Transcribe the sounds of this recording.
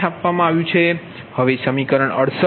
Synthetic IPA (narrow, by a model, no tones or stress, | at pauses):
apʋamãaʋjũt͡ʃʰe | həʋesəmikəɾəɳəɽs